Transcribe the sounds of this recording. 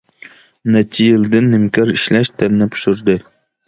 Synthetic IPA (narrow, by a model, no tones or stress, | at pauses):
nɛt͡ʃʰijɪld̪ɪnːɪmkʲʰɑɾiʃlɛʃt̪ʰɛnːɪpʰu̥ʃuɾd̪ɨ